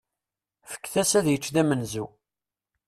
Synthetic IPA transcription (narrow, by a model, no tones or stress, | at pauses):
fə̥kːθæsæðjət͡ʃːðæmənzu